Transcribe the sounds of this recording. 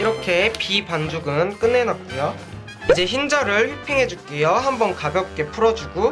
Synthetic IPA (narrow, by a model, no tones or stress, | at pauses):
iɾʌkʰe̞pipand͡ʑuɡɯnk͈ɯnːe̞nat̚k͈ujo | id͡ʑe̞çind͡ʑʌɾɯɭɸɥipʰeŋɦe̞d͡ʑuk͈ejohambʌnkabjʌk̚k͈e̞pʰuɾʌd͡ʑuɡu